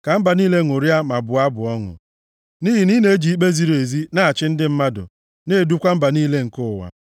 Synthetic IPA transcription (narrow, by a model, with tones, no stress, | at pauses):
ka˨m̩˦ba˨niː˦le˦˨ŋʊ˨ɾi˦a˦ma˨bʊ˨a˦bʊ˨ɔ˦ŋʊ̰˨ | niː˦ɦi˨ni˦ne˦e˦d͡ʒi˨i˦k͡pe˦zi˦ɾo˨e˨zi˦na˦˨a˨t͡ʃɪ˦n̩˦dɪ˦m̩˦ma˦dʊ̰˨ | neː˦˨du˦kʷa˦m̩˦ba˨niː˦le˦ŋ̩˨kʊ˦˨wa̰˨